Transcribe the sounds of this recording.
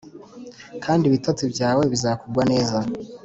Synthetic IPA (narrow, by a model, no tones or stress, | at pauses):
kʰaːndiβitat͡sibɟaːwe̞βizakuɡwane̞ːza